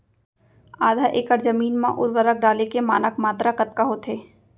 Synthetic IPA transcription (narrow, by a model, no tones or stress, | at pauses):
aːd̪ʱaʔeːkəɾzəmiːnmã̰ʔʊ̰ɾʋəɾək̚ɖaːlekema̰ːnəkmaːt̪ɾakɐt̪kaɦoːt̪ʰɦeː